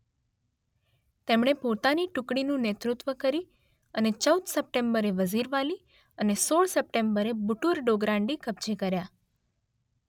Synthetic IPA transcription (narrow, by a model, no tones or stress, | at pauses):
t̪emɳ̃epot̪aniʈukɽinũnet̪ɾut̪ʋəkəɾi | ənet͡ʃəwd̪səp̚ʈembəɾeʋəziɾʋali | ənesoɭsəp̚ʈembəɾebuʈuɾɖoɡɾãɳɖikəpt͡ʃekəɾja